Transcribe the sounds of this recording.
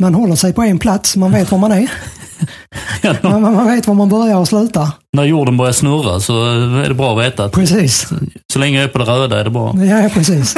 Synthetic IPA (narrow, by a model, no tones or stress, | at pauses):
manhɔlːəʂɛjpʰɔɛnpʰlat̪smanveːt̪vaɾmanæ | manmanveːt̪vaɾmanbœɾjaɾɔslʉ̟ːt̪a | næɾjuːɖənbœɾjaʂnɵra̰sɔɛ̰ɖɛbɾɑːɔveːt̪apʰɾɛsiːssɔlɛŋːəɛpʰɔd̪ɛɾøːd̪aɛ̰ɾɖɛbɾɑ̰ːjapʰɾɛsiːs